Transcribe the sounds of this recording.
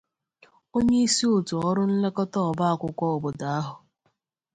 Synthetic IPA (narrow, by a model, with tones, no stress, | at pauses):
o˦ɲe˦i˦si˦ʊ˨tu˨ɔ˦ɾʊ˦n̩˦le˦kɔ˦tɔ˦ɔ˨ba˦a˨kʷʊ˦kʷɔ˦ɔ˨bʊ˨da˨a˦ɦʊ˨